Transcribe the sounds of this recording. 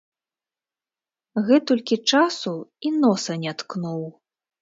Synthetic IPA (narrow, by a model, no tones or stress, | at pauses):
ɣɛt̪ɔlʲkʲit͡ʂasuinɔsɐnʲat̪knuw